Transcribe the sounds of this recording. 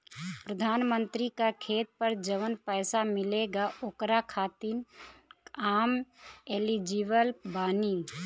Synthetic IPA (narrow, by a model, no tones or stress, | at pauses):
pɾəd̪ʱaːnmə̃nt̪ɾikakʰeːt̪̚pəɾd͡ʒəʋənpɛːsamɪleɡaʔokɾakʰaːt̪in | aːmelid͡ʒiʋəlbaːni